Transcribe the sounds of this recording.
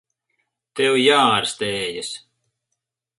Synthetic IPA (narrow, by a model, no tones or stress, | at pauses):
t̪ɛwjaːɾst̪ɛːjɨsʲ